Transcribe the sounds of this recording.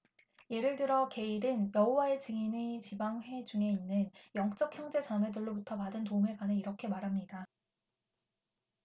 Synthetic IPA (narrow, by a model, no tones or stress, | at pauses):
je̞ɾɯɭdɯɾʌke̞iɾɯnjʌɦowae̞t͡ɕɯŋinit͡ɕibaŋɸwe̞d͡ʑuŋe̞inːɯnjʌŋt͡ɕ͈ʌk̚ʰçjʌŋd͡ʑe̞t͡ɕamwe̞dɯɭːobutʰʌmadɯntoumɦe̞ɡwanɯiɾʌkʰe̞maɾɦamɲida